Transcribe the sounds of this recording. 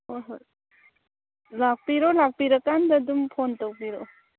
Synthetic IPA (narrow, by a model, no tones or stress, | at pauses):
ojɦoj | lak̚piɾɔlak̚piɾɐkandɐdumpʰontawpiɾo